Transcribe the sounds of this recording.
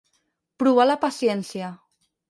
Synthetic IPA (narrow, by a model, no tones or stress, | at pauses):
pɾuβalapasjɛnsja